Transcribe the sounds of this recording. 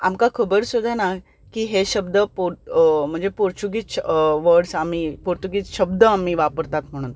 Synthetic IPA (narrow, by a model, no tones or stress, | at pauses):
amkakʰəbəɾsud̪ʱːana | kiːɦeɕəbd̪əpum̤əɳd͡zepuɾt͡ɕuɡit͡sʋəɾɖsamiːpuɾt̪uɡit͡sɕəbd̪əamiːʋapəɾt̪at̪m̤əɽ̃uːn